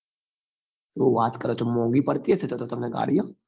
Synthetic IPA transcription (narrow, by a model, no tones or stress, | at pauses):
t̪ʋoʋaːt̪kɐɾot͡ʃomõːŋɡipɐɾt̪iɦɛset̪ot̪ot̪ɐmneɡa̰ːɽijaː